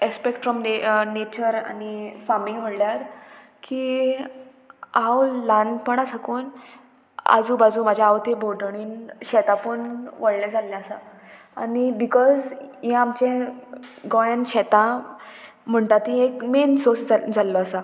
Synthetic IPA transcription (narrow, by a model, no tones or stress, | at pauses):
ekspekʈfɾɔmenet͡ɕəɾa̰nifamilʋ̤əɽljaɾ | ki | awlanpəɳ̃asakuːn | a̰d͡zũːbad͡zũmad͡ʑʱjaawt̪ebʱoɖɳiːnɕɛt̪apəɳʋəɽlɛ̃d͡zʱalːɛ̃asa | a̰nibikɔzjɛ̃amt͡ɕẽ | ɡɔjənɕɛt̪ã | m̤əɳt̪at̪ĩekmensoɾsd͡zad͡zʱalːɔasa